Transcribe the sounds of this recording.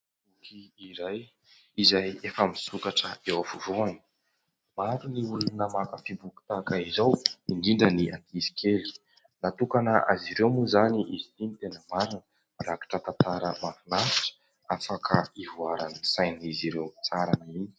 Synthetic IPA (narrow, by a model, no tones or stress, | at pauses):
ukiiɾaj | izajefəmisukaʈ͡ʂəewafuvuani̥ | maɾuniulunəmakəfibuki̥t̪akaizawiɳɖ͡ʐiɳɖ͡ʐəniʔat̪ʰisi̥kʰeli̥ | nat̪ukanəa̰ziɾewmuzaniʔizit̪init̪enəmaɾinə | raki̥ʈ͡ʂət̪ant̪aɾəmafinafi̥ʈ͡ʂə̥ | afakʰəivuaɾanisajniziɾewt͡saɾanaini̥